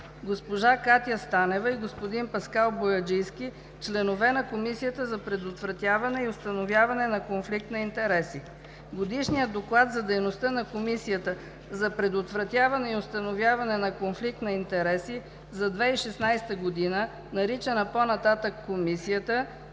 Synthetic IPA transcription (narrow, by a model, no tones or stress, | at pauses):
ɡospoʒakat̪ʲijəst̪anɛvɐiɡospod̪inpɐskalˠbojɐd͡ʒiski | t͡ʃlɛnovɛnɐkomisijət̪əzɐpɾɛd̪ot̪vɾɐt̪ʲjavɐnɛiost̪ɐnovjavɐnɛnɐkonflik̚t̪nɐint̪ɛɾɛsi | ɡod̪iʃnijəd̪oklˠat̪zɐd̪ɛjnost̪ənɐkomisijət̪ə | zɐpɾɛd̪ot̪vɾɐt̪ʲjavɐnɛiost̪ɐnovʲjavɐnɛnɐkonflik̚t̪nɐint̪ɛɾɛsi | zɐd̪vɛiʃɛsnajst̪əɡod̪inə | nɐɾit͡ʃənɐponɐt̪at̪əkːomisijət̪ə